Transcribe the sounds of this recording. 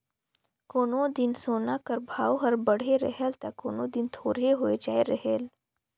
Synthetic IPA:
koːnõd̪ɪnsoːnakəɾbʱaːwoɦɐɾbəɽ̤eɾə̰ɦelt̪akoːnõd̪ɪnt̪ʰoːɾeɦoːed͡ʒaːeɾəɦel

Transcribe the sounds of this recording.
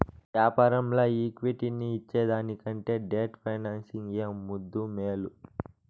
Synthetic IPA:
ʋjaːpaːɾɐmloːiːkʋiʈiniːt͡ʃːeːd̪aːnikɐɳʈe̞ːɖeːʈpʰɐjnaːnsiŋeːmːud̪ːumeːlu

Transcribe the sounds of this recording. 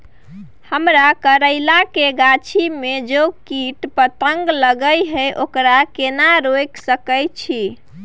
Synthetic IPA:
həmɾakəɾəɪlakeɡat͡ʃʰimed͡ʒokiʈpət̪əŋɡləɡəjɦəjʔokɾakenaɾojksəkəjt͡ʃʰi

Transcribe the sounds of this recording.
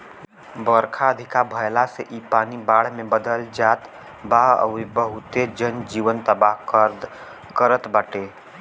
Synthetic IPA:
bəɾkʰaəd̪ʱɪkabʱəjlaseʔipaːnibaːɽ̤mebəd̪əld͡ʒat̪ | baə̰ʋibəɦʊt̪ed͡ʒənd͡ʒiːʋənt̪əbaɦkɾd̪ | kəɾət̪baːʈe

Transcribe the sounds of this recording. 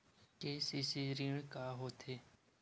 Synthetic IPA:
keːsisiːɾĩːɽkaːɦoːt̪ʰeː

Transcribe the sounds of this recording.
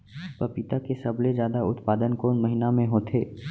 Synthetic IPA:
pɐpit̪akesɐblezjaːd̪aʊt̪paːd̪ənkoːnmɐɦɪnamẽɦoːt̪ʰeː

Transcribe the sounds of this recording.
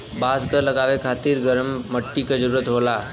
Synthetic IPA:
baskəɾləɡaʋekʰat̪iːɾɡəɾəmːəʈːiːkəd͡ʑəɾuɾət̪ɦola

